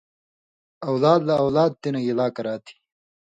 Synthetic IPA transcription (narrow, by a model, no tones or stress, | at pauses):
ɐwlaːd̪lɐːwlaːd̪̚t̪enɐjilaːkɐɾaːt̪ʰi̥